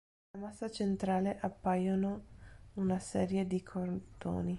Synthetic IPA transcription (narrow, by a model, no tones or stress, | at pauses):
lamasːat͡ʃent̪ɾaːleʔapːajonounasɛːɾjed̪ikʰort̪o̰ːni